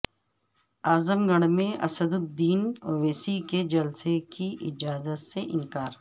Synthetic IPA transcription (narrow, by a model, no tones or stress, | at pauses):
aːzəmɡəɽ̃mẽɐ̰səd̪ʊd̪iːnoʋeːsiked͡ʒɐlsekiʔɪd͡ʒaːzət̪seʔɪ̃nkaːɾ